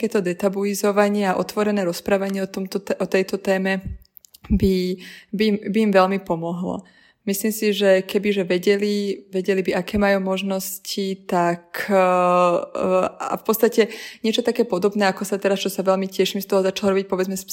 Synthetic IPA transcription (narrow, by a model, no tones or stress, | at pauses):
kɛːt̪ɔd̪ɛt̪abuizɔʋaɲɪɛaʔɔt̪ʋɔɾɛnɛːɾɔspɾaːʋaɲɪɛɔt̪ɔmt̪ɔʔɔt̪ɛjt̪ɔt̪ɛːmɛ | bibimbiːmʋɛlmipɔmɔɦlɔ̰ | misliːmsiʒɛkɛbiʒɛʋɛɟɛliʋɛɟɛlibiʔakɛːmajuːmɔʒnɔscit̪akʰ | a̰fpɔt̪t͡st̪acɛɲɪɛt͡ʃɔt̪akɛːpɔd̪ɔbnɛːakɔsat̪ɛɾast͡ʃɔsaʋɛlmicɛʃimst̪ɔɦɔzat͡ʃalɔɾɔbic̚pɔʋɛd͡zmɛs